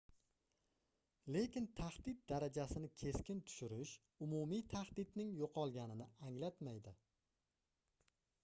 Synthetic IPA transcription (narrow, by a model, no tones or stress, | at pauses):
le̞kʲɪnt̪ʰahd̪ɪt̪̚d̪aɾad͡ʒasɪnɪkʲʰe̞skʲɪnt̪ʰʊ̥ʃʊɾɪʃ | ʊmumijt̪ʰahd̪ɪt̪nɪŋjoqʰɒlˠɡʲanɪnɪaŋlat̪majd̪ɪ